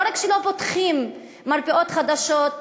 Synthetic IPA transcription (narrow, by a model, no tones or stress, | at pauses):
ɾakʃelopot̪χimː | aɾpeʔot̪χad̪aʃot